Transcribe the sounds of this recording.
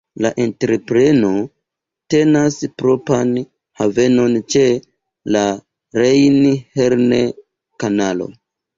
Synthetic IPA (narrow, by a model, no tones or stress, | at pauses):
laʔe̞ntɾe̞pɾe̞no̞ | te̞naspɾo̞pan | have̞no̞nt͡ʃe̞ | la | ɾe̞jnihe̞ɾne | kanalo̞̰